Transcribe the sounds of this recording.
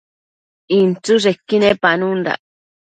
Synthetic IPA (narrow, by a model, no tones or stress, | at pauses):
int͡suʐekːinepanund̪a̰